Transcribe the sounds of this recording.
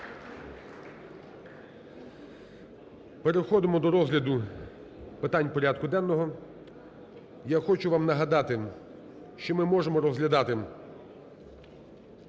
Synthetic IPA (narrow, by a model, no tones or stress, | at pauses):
peɾexɔd̪ɪmɔd̪ɔɾɔzɦlʲɐd̪ʊ | pɪt̪ɑnʲpɔɾʲad̪̚kʊd̪ɛnːɔɦɔ | jaxɔt͡ʃʊʋɑmnɐɦɐd̪ɑt̪ɪ | ʃt͡ʃɔmɪmɔʒemɔɾɔzɦlʲɐd̪ɑt̪ɪ